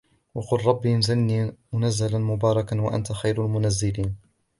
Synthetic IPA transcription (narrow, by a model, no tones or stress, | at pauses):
wɑqʊlɾˤɑbːinzalnimʊnazːalanmʊbɑːɾˤɑkanwaʔa̰nt̪axajɾalmʊnazːɪliːn